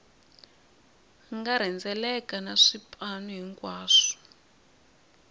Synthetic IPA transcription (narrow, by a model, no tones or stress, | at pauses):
ŋɡaɾ̤ɛnd͡zɛlɛkanaʂipʼanuɦiŋkwaːʂɔ̥